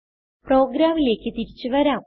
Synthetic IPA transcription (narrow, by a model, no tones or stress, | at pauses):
pro̞ːɡɾaːmile̞ːkːɨt̪iɾit͡ɕːɨʋɐɾaːm